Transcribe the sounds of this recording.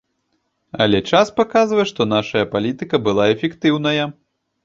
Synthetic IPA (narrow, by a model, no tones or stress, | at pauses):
ɐ̰lʲɛt͡ʂaspakazvɐjɛʂt̪ɔnaʂɐjɐpalʲit̪ɨkɐbɨlˠaɛfʲɛkt̪ɨwnɐjɐ